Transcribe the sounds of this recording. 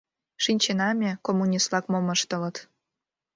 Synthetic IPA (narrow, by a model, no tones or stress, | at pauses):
ʃinʲt͡ɕenɑmʲekomːunʲist̪lɑkmoməʃt̪ə̆lə̆t̪